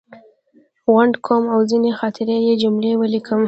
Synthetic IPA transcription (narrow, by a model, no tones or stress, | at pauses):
ɣaɳɖkʰomawzinexɑt̪ʰɪɾejed͡ʒʊmlewəlikʰəm